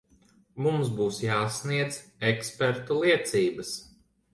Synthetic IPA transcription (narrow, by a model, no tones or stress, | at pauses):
mumsbuːsjaːsniɛd̪zɛkspɛɾt̪ulˠiɛt̪siːbəs